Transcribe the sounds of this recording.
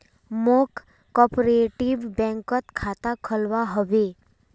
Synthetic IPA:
mok | kɔpoɾeʈibbɛ̃ŋkət̪kʰat̪akʰəlʋaɦəbe

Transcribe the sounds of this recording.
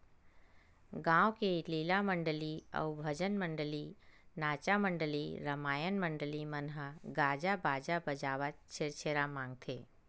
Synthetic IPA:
ɡãːwkeiʈliːlaməɳɖəliə̰wbʱəd͡ʒənməɳɖəlinaːt͡ʃaməɳɖəliɾəmaːjənməɳɖəlimənɦəɡaːd͡ʒabaːd͡ʒabəd͡ʒaːʋətt͡ʃʰeɾt͡ʃʰeːɾamãːŋɡ̚t̪ʰḛː

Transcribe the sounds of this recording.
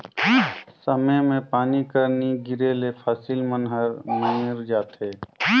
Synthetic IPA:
səməjmẽpaːnikəɾniɡɪɾelepʰaːsilmənɦəɾmẽɪɾd͡ʒaːt̪eː

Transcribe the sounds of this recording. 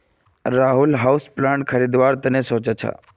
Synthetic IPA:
ɾaːɦulɦawsplãɳʈkʰəɾid̪ʋaɾt̪ənesõːt͡ʃət͡ʃʰa̰

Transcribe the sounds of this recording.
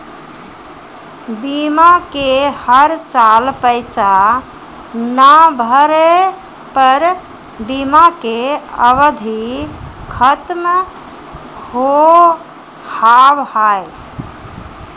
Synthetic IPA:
bimakehəɾsalpəɪsa | nəbʱəɾe | pəɾ | bimakeəʋəd̪ʱikʰət̪m | ho | habhaj

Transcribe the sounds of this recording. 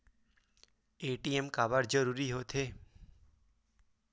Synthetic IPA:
eʈiemkabaɾd͡ʒəɾuɾiɦot̪ʰe

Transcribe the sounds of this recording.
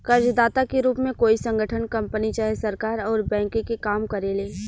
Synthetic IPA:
kɐɾd͡ʒd̪aːt̪akeɾuːpmẽkoːisə̃ŋɡʱəʈʰənkɐ̃mpənit͡ʃaːɦesɐɾkaːɾɔːɾbɛ̃ːŋkkekaːmkɐɾeleː

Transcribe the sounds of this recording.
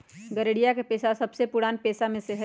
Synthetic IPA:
ɡəɾeɽijakepeːsasɐbsepʊɽaːnpeːsamẽseɦə

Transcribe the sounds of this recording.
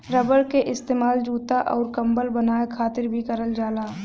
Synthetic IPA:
ɾəbəɽkeʔɪst̪eːmaːld͡ʒuːt̪aʔɔːɾkɐ̃mbəlbənaːekʰaːt̪ɪɾbʱikəɾəld͡ʒaːlaː

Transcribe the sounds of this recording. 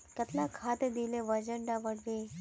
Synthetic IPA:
kɐt̪nakʰaːt̪ed̪ileʋɐd͡ʒəɳɖaʋəɽʋe

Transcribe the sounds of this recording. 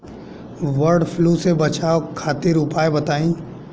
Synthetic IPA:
ʋəɾɖpʰluːsebɐt͡ʃaːokʰaːt̪ɪɾʊpaːebɐt̪aːĩː

